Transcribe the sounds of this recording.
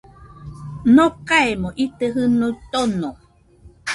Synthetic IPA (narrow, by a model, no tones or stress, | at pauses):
nõkaemõʔit̪eɦɨnot̪ono